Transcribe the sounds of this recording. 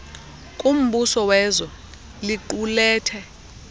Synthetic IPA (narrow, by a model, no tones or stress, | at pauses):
kʼum̩ɓusɔwɛːzɔ | liǃulɛːtʰɛ